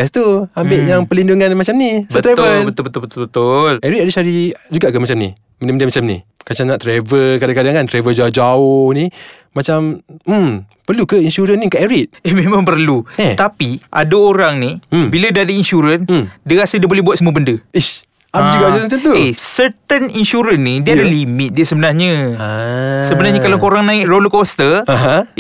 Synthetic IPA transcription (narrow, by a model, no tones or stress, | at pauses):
ɛst̪uambɪʔjaŋpəlinduŋanmat͡ʃamnisət̪ɾavəlbət̪ʊlbət̪ʊbət̪ʊlbət̪ʊlʔɛɾit̪̚adisaɾid͡ʒuɡaʔkəmat͡ʃamnḭ | məndəməndiamat͡ʃamnḭhkat͡ʃanaʔt̪ɾevəkadaŋkadaŋkant̪ɾevəd͡ʒaʊhd͡ʒaʊhni | mat͡ʃam̩mpərlukəinʃuɾənnikaʔɛɾit̪̚ehmemãmpərluet̪apiʔa̰daoɾaŋnibilədadəinʃuɾəndiəkasədiəbolɛɦbuat̪̚səmuəbəndəi | abid͡ʒuɡaʔsamat͡ʃant̪uesəɾt̪əninʃuɾənːidiadalimɪt̪̚diəsəbənarɲə̃ | səbənaɾɲəkalakoɾaŋnãɪk̚roləkɔst̪əaɦã